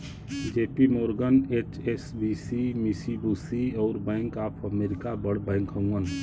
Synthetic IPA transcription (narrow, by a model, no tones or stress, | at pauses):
d͡ʒeːpimoːɾɡəneːt͡ʃeːsbiːsimisibuːsiɔːɾbɛ̃ːŋkaːpʰəmeːɾɪkabəɽbɛ̃ːŋkɦə̃ũən